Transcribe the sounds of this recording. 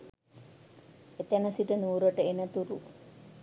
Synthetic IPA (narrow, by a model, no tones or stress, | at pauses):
et̪enəsiʈənuːɾoʈəenət̪uɾu